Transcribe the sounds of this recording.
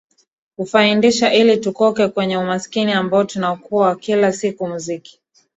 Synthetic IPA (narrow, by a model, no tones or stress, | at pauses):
kufaindiʃaʔilitukɔkɛkwɛɲɛumaskiniambaɔtunaɔkuawakilasikumuziki̥